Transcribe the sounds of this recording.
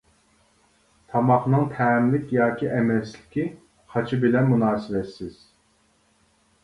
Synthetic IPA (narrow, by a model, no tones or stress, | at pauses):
t̪ʰɑmɑχnɨŋt̪ʰɛːmlɪkʲjɑːkʲʰiʔɛmɛslɪkʲʰi | χɑt͡ʃʰɨbɪlɛnmunɑːsɪvɛt̪sɪz̥